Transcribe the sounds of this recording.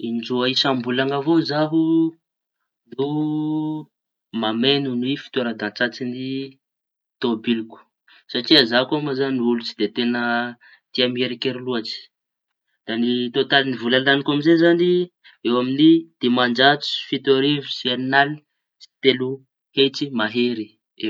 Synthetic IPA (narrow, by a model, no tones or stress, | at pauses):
ind͡ʒuaisambulaŋavozaɦu | nu | mamenunwifi̥t̪eɾad̪ãnt͡sat͡sini | t̪obiluku̥ | saʈ͡ʂiəzakomazaniulut͡si̥d̪et̪enə | t̪iamieɾikeɾiluat͡si̥ | d̪̥anit̪ot̪alinivulalanikamizezani | ewaminid̪̥emand͡ʒat͡si̥fit̪aɾivusiannali̥ | si̥t̪elu | het͡simaɦeɾi | e